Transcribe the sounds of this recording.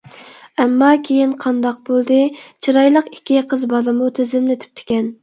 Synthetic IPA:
ɛmːɑkʲʰejinqʰɑnd̪ɑq̚bolˠd̪ɨt͡ʃʰiɾɑjlˠəqi̥kʲːiqʰəzbɑlˠɨmut̪ʰɪzɪmnɪt̪ʰy̥p̚t̪ʰɪ̥kʲɛn

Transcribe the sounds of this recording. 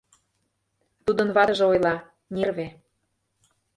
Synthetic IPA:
t̪ud̪ə̆nβɑt̪əʒĕojlˠɑ | nʲerβe

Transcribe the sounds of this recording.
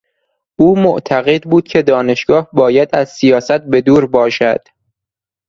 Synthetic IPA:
ʔuːmoʔt̪ʰæɣe̞d̪buːd̪̥cʲʰe̞d̪ɒːne̞ʃɡ̥ɒːhbɒːjæd̪æzsijɒːsæt̪̚be̞d̪uːɾbɒːʃæ̰d̪̥

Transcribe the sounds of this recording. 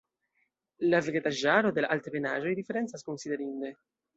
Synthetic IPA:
laveɡet̪aʒaːɾod̪ela̰lt̪penaːʒoid̪ifːɛɾɛnt̪saskonsid̪eɾind̪e

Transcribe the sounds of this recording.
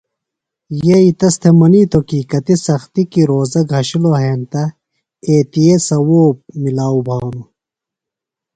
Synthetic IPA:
jeit̪ɐst̪ʰemɐniːt̪okikɐt̪isɐxt̪ikiɾoːzɐɡʱɦɐɕiloɦeːnt̪ɐ | eːt̪ijesɐwoːp̚milaːubʱaːnu

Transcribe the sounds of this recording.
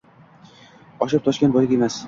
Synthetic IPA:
ɒʃ̬ɪp̚t̪ʰɒʃkʲen̚bɒjɡʲemas

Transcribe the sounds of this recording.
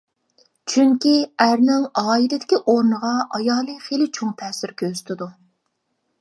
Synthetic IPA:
t͡ʃʰyŋkʲiæɾnɪŋɑːilɪd̪ɪkʲiʔoɾnəʁɑʔɑjɑːlˠɨχelɪt͡ʃʰoŋt̪ʰɛsɪɾkʲʰøzy̥t̪ʰɪd̪u

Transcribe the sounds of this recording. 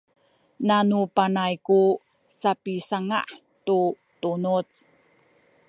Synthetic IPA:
nanupanajku | sapisaŋa̰ʔ | tu | tunut͡s

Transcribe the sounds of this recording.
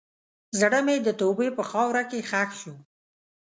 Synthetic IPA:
zaɽəmed̪ət̪obepəxɑwɾakexaxʃu

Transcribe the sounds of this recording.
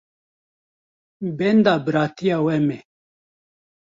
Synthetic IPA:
bend̪aːbɨɾaːt̪ijaːwɛme

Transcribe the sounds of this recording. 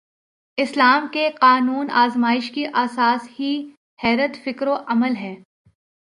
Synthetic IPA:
ɪslaːmkeqaːnuːna̰ːzmaːɪʃkiʔaːsaːshi | hɛːɾət̪fɪkɾoʔɐməlɦɛː

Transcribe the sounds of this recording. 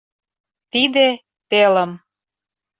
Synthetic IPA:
t̪id̪e | t̪eləm

